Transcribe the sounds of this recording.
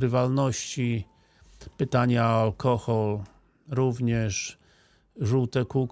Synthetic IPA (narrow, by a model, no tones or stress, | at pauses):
ɾɘvalnɔɕt͡ɕi | pɘt̪aɲaalkʰɔxɔl | ɾuvɲɛʂ | ʐuwt̪ɛkuk